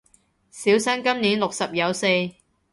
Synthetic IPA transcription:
siː˨˥wsɐ˥nkɐ˥mniː˨˥nlʊ˨k̚sɐ˨p̚jɐ˨˥˧wse˧j

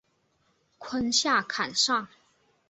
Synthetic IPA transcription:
kʰwə˥nɕja˥˩kʰa˨˩nʂɑ˥˩ŋ

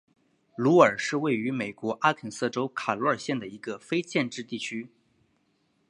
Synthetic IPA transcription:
lu˧˥ə˞˨˩ʂɻ̩˥˧we˥˩ɪy˧˥me˨˩ɪkwɔ˧˥ʔa˥kʰə˨˩nsɤ˥˧ʈ͡ʂo˥ʊkʰa˨˩lu˧˥ə˞˨˩ɕjɛ˥˩nd̪ə˩i˧˥ɡə˧fe˥ɪt͡ɕjɛ˥˧nʈ͡ʂɻ̩˥˧t̪i˥˩t͡ɕʰy˥

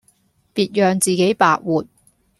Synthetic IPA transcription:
piː˨˧t̚jœː˨˧ŋt͡siː˨ke˨˥jpa̰ː˨˧k̚wuː˨˩t̚

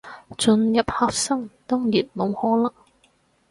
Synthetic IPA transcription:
t͡ʃɵ˧njɐ˨p̚haː˨k̚sɐ˥ŋt̪ʊ˥ŋjiː˨˩t̚mo˨˧whɔː˨˥lɐ˥

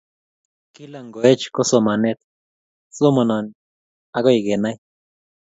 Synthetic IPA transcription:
ki˦la˨ŋɡo˨e˦t͡ʃko˦so˨ma˨ne˦t̪ | so˦ma˨na˨n | a˦ɡo˦i˨ɡe˨na˦j

